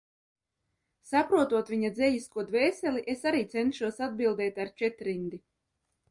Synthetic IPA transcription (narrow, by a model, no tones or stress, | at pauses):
sapɾuɔt̪uɔt̪vʲiɲad̪zɛjiskuɔd̪vɛːsɛlʲiʔesaɾiːt̪sɛnt̪ʃuɔsad̪̚bilˠd̪ɛːt̪aɾt͡ʃɛt̪ɾind̪i